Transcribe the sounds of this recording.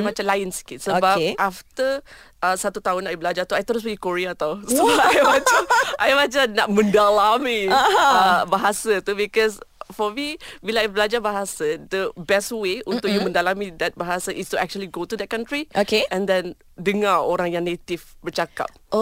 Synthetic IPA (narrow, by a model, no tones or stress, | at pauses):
mat͡ʃamlajənsə̥kɪt̪̚səbaʔaft̪ə | ʔəsat̪ut̪aɦʊnːaʔibəlad͡ʒat̪uajt̪əɾʊs̬bəɡikoɾiat̪awsəbaajmat͡ʃaʔajmat͡ʃana̰ʔmə̃ndalami | baɦasat̪ubikɔsfɔmibilajbəlad͡ʒabaɦasad̪əbɛst̚weũnt̪ʊk̚jumə̃ndalamid̪ɛt̪̚baɦasaʔɪstuɛk̚t͡ʃuəliɡot̪ud̪ɛt̚kãnt̪ɾiokeɛ̃nd̪ɛ̃n | dəŋaoɾãŋjãŋnet̪ifbərt͡ʃaka̰p̚